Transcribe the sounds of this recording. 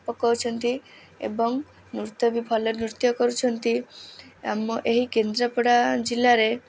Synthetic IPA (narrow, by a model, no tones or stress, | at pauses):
pɔkːɔɾut͡ʃʰɔnt̪i | ḛbɔŋ | nuɾt̪ɔbipʰɔleɾnuɾt̪jɔkɔɾut͡ʃʰɔnt̪i | a̰mɔʔeɦikend̪ɾapɔɽad͡ʒilaɾe